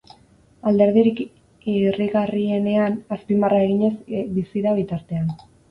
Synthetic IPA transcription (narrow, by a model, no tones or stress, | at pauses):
ald̪e̞ɾðiɾik | iriɣarie̞ne̞anaspimarae̞ɣiɲe̞zbisiɾaβ̞it̪aɾt̪e̞an